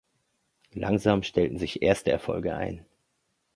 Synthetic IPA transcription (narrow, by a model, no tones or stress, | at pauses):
la̰ŋzaːmʃtʰɛltn̩zɪçʔeːɐstəɛ̰ɐfɔ̰lɡəʔa̰ɪn